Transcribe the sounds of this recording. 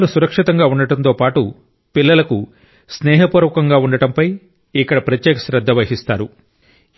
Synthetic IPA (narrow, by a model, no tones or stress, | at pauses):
lusuɾɐkʂit̪ɐŋɡaːuɳɖɐʈɐnt̪oːpaːʈu | pilːɐlɐku | snɛːɦɐpuːɾʋɐkɐŋɡaːuɳɖɐʈɐmpɐj | ikːɐɽɐpɾɐt̪jɛːkɐ̥sɾɐd̪ːɐʋɐɦist̪aːɾu